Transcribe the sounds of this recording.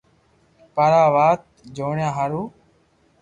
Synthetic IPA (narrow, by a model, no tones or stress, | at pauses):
pəɾaːʋaːt̪̚d͡ʒoːɳjãːɦaɾuː